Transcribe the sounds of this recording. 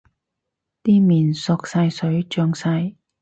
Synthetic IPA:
t̪iː˥miː˨˩nsɔ˨k̚sɐ˧jsɵ˨˥ɥt͡ʃœː˧ŋsɐ˧j

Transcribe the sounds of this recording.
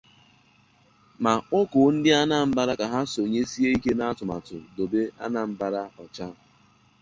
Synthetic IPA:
ma˨ʊ˦kʊ˨˦n̩˦dɪ˦a˦na˦m̩˦ba˦ɾa˦ka˨ɦa˦so˨ɲe˦si˦e˦i˦ke˦na˦a˦tʊ˨ma̰˨tʊ̰˨do˨be˦a˦na˨m̩˦ba˦ɾa˦ɔ˨t͡ʃa˦

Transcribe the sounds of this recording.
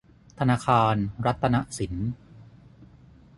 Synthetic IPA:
t̪ʰa˧naː˧kʰaː˧nɾa˦˥t̪ʰːa˧na˦˥ʔsi˩˦n

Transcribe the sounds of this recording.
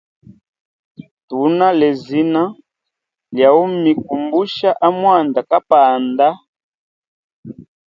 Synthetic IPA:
tu˨˦na˦lɛ˨zi˦na˦ | lja˨u˦mi˨k̚u˨mbu˦ʃa˦ʔa˦mwa˦˨nda˨ka˦paː˨nda˦

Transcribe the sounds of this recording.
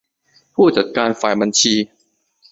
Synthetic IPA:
pʰuː˥˩t͡ɕa˨˩t̪̚kaː˧nfaː˨˩jba˧nt͡ɕʰiː˧

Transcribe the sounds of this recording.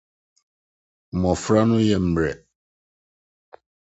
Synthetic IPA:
mɔ̃˨fɾa˦nʊ̃˦jɛ˨m̩˨bɾɛ̰˨

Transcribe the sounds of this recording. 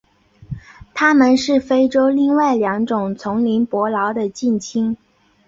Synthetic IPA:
t̪ʰa˥mə˨nʂɻ̩˥˩fe˥ɪʈ͡ʂo˥ʊli˥˧ŋwa˥˩ɪljɑ˧˥ŋʈ͡ʂʊ˨˩ŋt͡sʰʊ˧˥ŋli˧˥npwɔ˧˥lɑ˧˥ʊd̪ə˧t͡ɕi˥˩nt͡ɕʰi˥ŋ

